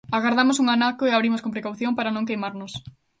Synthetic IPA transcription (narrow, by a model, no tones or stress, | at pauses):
aɣaɾðamosuŋanakoeaβɾimoskompɾekawθjõmpaɾanõŋkejmaɾnʊs